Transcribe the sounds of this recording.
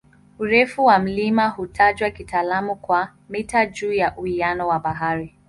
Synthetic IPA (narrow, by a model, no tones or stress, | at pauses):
uɾɛfuwam̩limahutʰaʄwakitaːlamukwa | mitaʄuːjaʔuhijanɔwaɓaɦaɾi